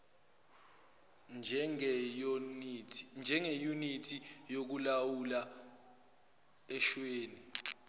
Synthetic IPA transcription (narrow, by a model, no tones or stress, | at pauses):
nd͡ʒ | nd͡ʒʱɛŋejunitʰijok̬ulawula | ɛʃweːni